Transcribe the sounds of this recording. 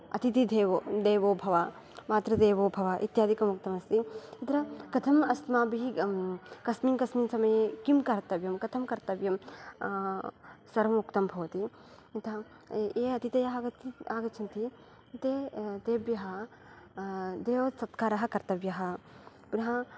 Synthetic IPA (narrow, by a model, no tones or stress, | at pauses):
ɐ̰t̪it̪id̪eːʋod̪eːʋoːbʱɐʋa | maːt̪ɾɐd̪eːʋoːbʱɐʋaʔit̪jaːd̪ʱikɐmuk̚t̪ɐmɐst̪iit̪ɾɐkɐt̪ʰɐmɐst̪maːbiɦi | kɐsmiːnkɐsmiːnsɐmɐjekimkɐɾt̪ɐbjɐmkɐt̪ʰɐmkɐɾt̪ɐbjɐm | sɐɾɐmukt̪ɐmbʱɐʋɐt̪i | it̪ɐɐ | eːɐt̪it̪ejɐɦɡɐt̪aːɡɐt͡ʃʰɐnt̪i | t̪eːd̪eːbjɐɦɐ | d̪eːʋɐsɐt̪kaːɾɐɦɐ̆kɐɾt̪ɐbjɐɦɐ̆ | punɐɦɐ